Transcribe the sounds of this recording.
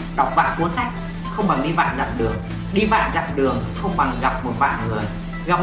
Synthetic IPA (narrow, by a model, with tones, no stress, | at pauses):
ɗa˨˩wk͡p̚va̰ː˧˨ku˨˦ənsa˦˥jk̟̚ | xə˧wŋ͡mɓa˨˩ŋɗi˧va̰ː˧˨nza̰˧˨mɗɨ˨˩əŋ | ɗi˧va̰ː˧˨nza̰˧˨mɗɨ˨˩əŋxə˧wŋ͡mɓa˨˩ŋɣa˨˩p̚mo˨˩t̚va̰ː˧˨nŋɨ˨˩əj | ɣa˨˩p̚